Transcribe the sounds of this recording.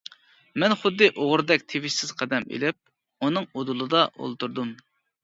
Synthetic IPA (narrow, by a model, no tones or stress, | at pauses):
mɛnχʊd̪ːɨʔoʁʊɾd̪ɛkʲt̪ʰevɪʃsɪz̥qʰæd̪ɛmḛlɪp̚ | unɨŋod̪ulˠɨd̪ɑʔo̰lˠt̪uɾd̪um